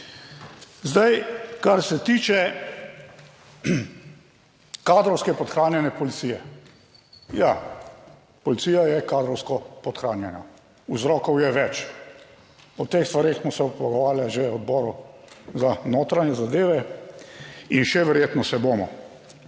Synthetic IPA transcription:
zd̪ajkaɾsɛt̪iːt͡ʃɛ | kaːd̪ɾɔwskɛpɔt̪xɾaːnjɛnjɛpɔlit̪siːjɛ | ja | pɔlit̪siːjajɛkaːd̪ɾɔwskɔpɔt̪xɾaːnjɛnjɔ | uzɾɔːkɔwjɛʋɛt͡ʃ | ɔt̪eːxst̪ʋaɾeːxsmɔsɛɔpɔɡɔʋaːɾjaʒeɔd̪bɔːɾuzanoːt̪ɾanjɛzad̪eːʋɛ | inʃɛʋɛɾjeːt̪nɔsɛboːmɔ̰

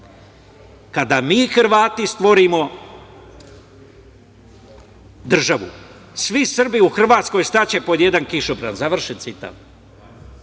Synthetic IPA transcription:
kad̪amiːxrɾ̩ʋaːt̪ist̪ʋo̞ɾimo̞ | d̪r̩ʒaʋṵ | sʋisr̩biuxr̩ʋaːt̪sko̞jst̪at͡ɕe̞po̞d̪je̞d̪ankiʃupɾa̰nzaʋr̩ʃet̪sit̪a̰ʋ

